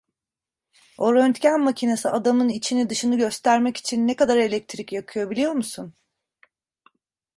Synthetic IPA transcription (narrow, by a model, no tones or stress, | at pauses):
o̞ɾø̞nt̪cænmacʰinasɯad̪amɯnit͡ʃʰinid̪ɯʃɯnɯɟø̞st̪ʰæɾmɛci̥t͡ʃʰinːɛkad̪aɾe̞lʲɛc̚t̪ʰɾicjakʰɯjo̞bilʲijo̞ɾmusun